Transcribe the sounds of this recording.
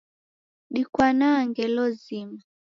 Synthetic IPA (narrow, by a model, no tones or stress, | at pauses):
ɗikwanaŋɡɛlɔzima